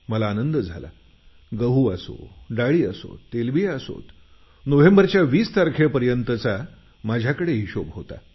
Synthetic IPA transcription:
məlaːnənd̪əd͡zʱala̰ | ɡəɦuːaso̰ɖaɭiːəso̰t̪t̪ːelbieəso̰t̪ | noʋembəɾt͡ɕjaʋiːst̪aɾkʰepəɾjənt̪ət͡sa | mad͡ʑʱjakəɽeɦiɕobɦot̪a̰

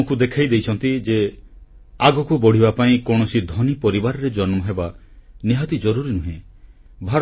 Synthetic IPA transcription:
okud̪ekʰajd̪ejt͡ʃʰɔnt̪id͡ʒe | aɡɔkubɔɽ̤ibapaĩkɔɽ̃ɔsid̪ʱɔnipɔɾibaɾɔɾed͡ʒɔnmɔɦebaniɦat̪id͡ʒɔɾuɾinuɦẽ | bʱaɾ

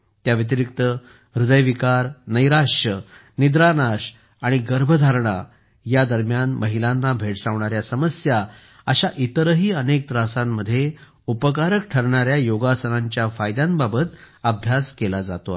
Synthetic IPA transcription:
t̪jaʋit̪̬iɾikt̪ə | ɾud̪əjʋikaɾnəjɾaʂə | nid̪ɾanaɕ | aɽ̃iɡəɾbʱəd̪ʱaɾɳa | jad̪əɾmjanməɦilãnːabʱeʈsãʋɳaɾjasəməsja | əɕaʔit̪əɾəɦiːənek̚t̪ɾasãmːəd̪ʱːje | upəkaɾək̚ʈʰəɾɳaɾjajoɡasənãɲt͡ɕjafajd̪jãnbabət̪ | əbʱjaskelad͡za̰t̪oa

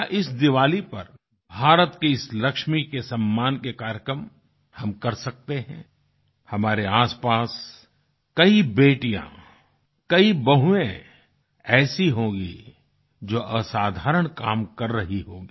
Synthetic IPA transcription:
ʔɪsd̪ɪʋaːlipɐɾ | bʱaːɾət̪kiɪslɐkʃmikesɐmːaːnkekaːɾjəkɾəm | hɐmkɐɾsɐk̚t̪eɦɛ̰̃ː | hɐmaːɾeaːspaːs | kɐibeːʈijã̰ | kɐibɐɦuẽ | ɛːsiɦõːɡḭ | d͡ʒoːʔɐsaːd̪ʱaːɾəɽ̃kaːmkɐɾːɐɦiɦoːɡiː

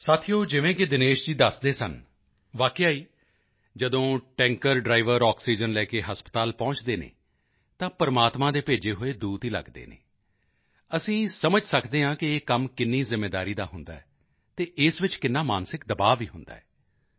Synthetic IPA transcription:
saːt̪ʰijoːd͡ʒɪʋẽːkɪd̪ɪneːʃd͡ʒiːd̪əsd̪eːsə̰n | ʋaːkeaːiː | d͡ʒəd̪õːʈɛ̃ːŋkəɾɖɾaːɪʋəɾɔːksiːd͡ʒənlɛːkeːɦəspə̥t̪aːlpɔ̃ːt͡ʃd̪eːnḛː | t̪ãːpəɾmaːt̪mãːd̪eːpeːd͡ʒeːɦoːeːd̪uːt̪ɦiːlə̰ɡd̪ḛːnḛː | əsĩːsəməd͡ʒsəkʰd̪eːɦãːkɪeːkəmkɪnːiːzɪmːeːd̪aːɾiːd̪aːɦʊnd̪aːɛː | t̪eːʔɪsʋɪt͡ʃkɪnːaːmaːnsɪkd̪əbaːʋiːɦʊnd̪a̰ːɛː

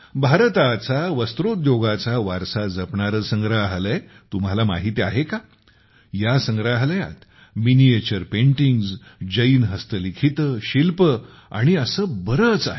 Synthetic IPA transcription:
bʱaɾt̪at͡saʋəst̪ɾot̪joɡat͡saʋaɾsad͡zəpɳaɾəsə̃ŋɡɾaɦləj | t̪um̤ɦalama̰ɦit̪ia̰ɦeka | jasəŋɡɾaɦləja̰t̪ | miniet͡ɕəɾpẽɳʈiŋɡzd͡ʑəiːnɦəst̪əlikʰit̪əɕilpə | a̰ɽ̃iəsəːbəɾət͡sa̰ɦe

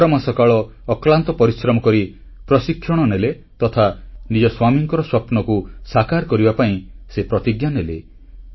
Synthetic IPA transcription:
ɾɔmasɔkaɭɔː | klant̪ɔpɔɾisɾɔmɔkɔɾi | pɾɔsikʰjɔɽ̃ɔnele | t̪ɔt̪ʰanid͡ʒɔswamiŋkɔɾɔswɔpnɔkusakaɾkɔɾibapaĩsepɾɔt̪iɡjanele

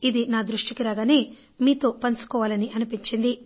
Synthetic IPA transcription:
id̪inaːd̪ɾuʂʈikiɾaːɡaːne̞ː | miːt̪o̞ːpɐnt͡ʃu̥kɔːʋaːlɐniʔɐnupiɲt͡ʃind̪i

